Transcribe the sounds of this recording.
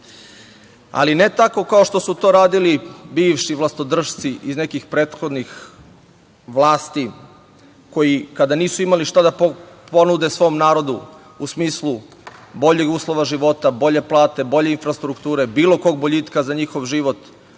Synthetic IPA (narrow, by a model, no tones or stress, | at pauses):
a̰line̞t̪ako̞kao̞ʃt̪o̞sut̪o̞ɾaːd̪ilibiːʋʃiʋlˠast̪od̪r̩ʃt̪siʔizne̞kixpɾe̞ːt̪xo̞d̪nix | ʋlˠaːst̪i | ko̞jikad̪aniːsuimaliʃt̪ad̪apo̞nud̪e̞sʋo̞ːmnaːɾo̞d̪u | usmiːslˠu | bo̞ʎeɡuːslˠo̞ʋaʒiʋo̞t̪abo̞ʎe̞plˠaːt̪e̞bo̞ʎe̞infɾast̪ɾukt̪uːɾe̞biːlo̞ko̞ːɡ̚bo̞ʎit̪kazaɲixo̞ʋʒiʋo̞t̪